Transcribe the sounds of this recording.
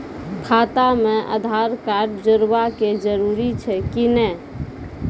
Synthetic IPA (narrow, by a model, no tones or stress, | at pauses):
kʰat̪ameʔə̰d̪ʱaɾkaɾɖd͡ʒəɾbaked͡ʒəɾuɾit͡ʃʰɛkinɛ